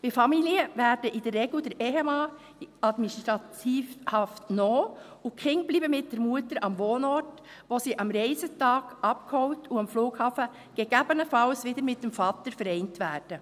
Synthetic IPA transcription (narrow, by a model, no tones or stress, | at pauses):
v̥ɪfɑmiliəʋæɾdəʔɪdərːeɡlʊdɛɾʔɛɦemɑː | ɑdminstɾɑtʰiːfhɑftnoː | ʊkʰɪŋb̥liːbəmɪt̚d̥ɛɾmuətəɾɑmʋoːnɔɾt | ʋoːsiːʔɑmɾeɪsətɑːɡ̥ʔɑp̚kʰhɔʊtʊɑmfluːɡhɑːfə | ɡ̥ɛɡ̥æbənəfɑlsʋɪdəɾmɪt̚d̥ɛmfɑːtəɾfəɾɛɪntʋæːɾd̥ə